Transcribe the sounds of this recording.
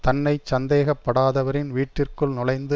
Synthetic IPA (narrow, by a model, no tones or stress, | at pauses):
t̪ɐnːɐɪt͡ʃɐnd̪eːɣɐpːɐɽaːðɐʋɐɾɪnʋiːʈːɪrkɯɭnɪlɐɪnd̪ɯ